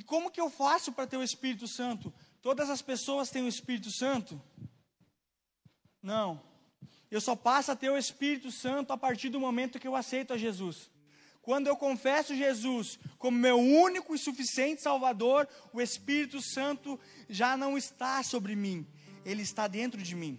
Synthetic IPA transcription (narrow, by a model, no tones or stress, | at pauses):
ɪkõmʊkɪewfasʊpɾɐt̪ewespiɾit̪ʊsɐ̃nt̪ʊt̪od̪ɐzɐspesoɐst̪ẽj̃ʊespiɾit̪ʊsɐ̃nt̪ʊ | nɐ̃w̃ | ewsɔpasʊat̪ewespiɾit̪ʊsɐ̃nt̪ʊapaɾt͡ʃiɾd̪ʊmomẽnt̪ʊkɪewasejt̪ʊɐʒezus | kwɐ̃nd̪ʊewkõfɛsʊʒezuskõmʊmewũnikʊɪsufisiẽnt͡ʃ̪ɪ̥sawvad̪oɾʊespiɾit̪ʊsɐ̃nt̪ʊ | ʒanɐ̃w̃ɪst̪asobɾɪmĩ | elɪːst̪ad̪ẽnt̪ɾʊd͡ʒɪmĩ